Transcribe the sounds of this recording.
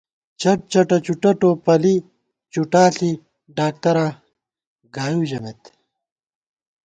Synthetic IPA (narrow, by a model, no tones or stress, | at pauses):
t͡ɕɐʈ̚t͡ɕɐʈɐt͡ɕuʈɐʈopɐli | t͡ɕuʈaːɬi | ɖaːk̚t̪ɐɾa | ɡaːjud͡ʑɐmet̪